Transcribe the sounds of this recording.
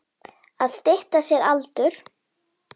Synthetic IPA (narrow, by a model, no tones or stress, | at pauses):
aðst̪eht̪asjɛɾalt̪ʏɾ̥